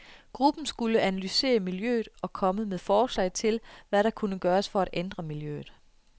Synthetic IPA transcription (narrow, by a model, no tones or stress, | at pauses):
ɡ̥ʁub̥n̩sɡ̥uləʔænælyse̝̰ːɐmiljø̰ːð̩ˠɒ̽kʰɒ̽məmeðˠfɒːslɛ̰ɪt͡sʰe̝lʋæɾɑ̈kʰunəɡ̥ɶːɐsfɒ̽æɾ̥end̥ʁɐmiljø̰ːð̩ˠ